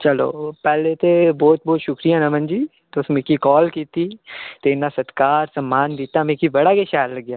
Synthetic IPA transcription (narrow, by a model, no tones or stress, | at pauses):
t͡ʃəlo̰ːpɛːlet̪ebɔːt̪̚bɔːt̪ʃʊkɾijãːnãːmə̃nd͡ʒiː | t̪eʊsmẽkikɔːlkiːt̪iːt̪eɪnãːsət̪kaːɾsəmːaːnd̪iːt̪aːmẽkibəɽaːkeːʃaːjlləɡjaː